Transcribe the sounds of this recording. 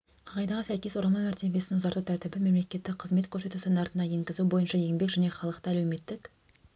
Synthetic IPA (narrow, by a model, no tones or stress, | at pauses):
qʰɑʁɑjd̪ɑʁəsæjkʲe̞swoɾɑlˠmɑmæɾt̪e̞be̞sɪnɪŋʊzɑɾt̪ut̪ʰæɾt̪ɪbɪme̞mle̞kʲe̞t̪ːɪkqʰəzme̞t̪kʲʰɵɾse̞t̪usɪnnɑɾt̪ənɑje̞ŋɡʲɪzubo̞jənʃɑje̞ŋbe̞kʒæne̞χɑlˠəqt̪əælewme̞t̪ːɪk